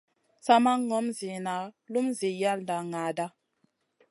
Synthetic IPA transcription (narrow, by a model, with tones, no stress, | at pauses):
sa˦ma˦ŋɔ˦mzi˨na˨lu˦mzi˨ja˦lda˨ŋa˨da˦